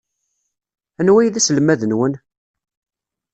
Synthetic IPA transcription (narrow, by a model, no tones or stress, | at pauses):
ænwæjðæsləmːæðənwən